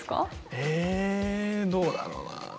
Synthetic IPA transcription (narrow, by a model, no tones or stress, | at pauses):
ɨ̥ka̰e | d̪oːd̪a̰ɾo̰ːna